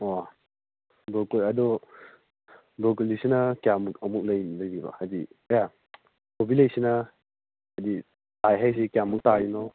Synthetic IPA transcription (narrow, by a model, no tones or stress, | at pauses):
wa | bɔkoɐdɔ | bɔkolisinɐkjamuk̚ɐmuk̚lɐjlɐjɾibɐ̰hadija | kʰobilɐjsinɐ | hadi | tajɦajs̬ikijamːuk̚tainɔ